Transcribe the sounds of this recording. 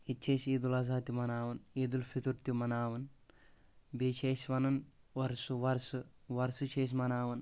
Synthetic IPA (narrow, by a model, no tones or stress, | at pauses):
itːt͡ʃʰejsiːd̪ulɐzaːt̪imɐnaːʋɐniːd̪ulfit̪uɾt̪jumɐnaːʋɐn | beːt͡ʃʰeːsʋɐnɐn | ɐɾsuʋɐɾsuʋɐɾsɨt͡ʃʰeːs̬mɐnaːʋɐn